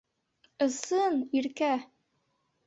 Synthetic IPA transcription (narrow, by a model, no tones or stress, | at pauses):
ɤ̆sɤniɾkæ